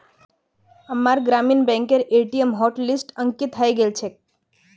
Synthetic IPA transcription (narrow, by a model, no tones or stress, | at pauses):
əmaɾɡɾaminbɛ̃ŋkeɾeʈiemɦɔʈlisʈəŋkit̪ʰajɡelt͡ʃʰe